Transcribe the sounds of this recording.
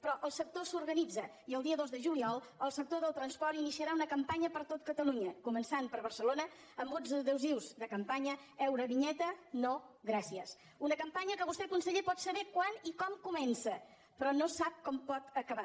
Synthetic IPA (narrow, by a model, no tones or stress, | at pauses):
pɾɔʔəlˠsək̚t̪osuɾɣənid͡zə | iəlˠd̪iəðozðəʒuliɔlˠəlˠsək̚t̪oðəlˠt̪ɾənspɔɾt̪inisiəɾaunəkəmpaɲəpəɾt̪ot̪̚kət̪əluɲəkumənsanpəɾβəɾsəlonə | əmbod͡zðəðɛwziwzðəkəmpaɲə | ɛwɾəβiɲɛt̪ənoɣɾasiəs | unəkəmpaɲəkəβust̪ɛkunsəʎepɔt̪səβɛkwanikɔmkumɛnsə | pɾɔnosap̚kɔmpɔt̪əkəβa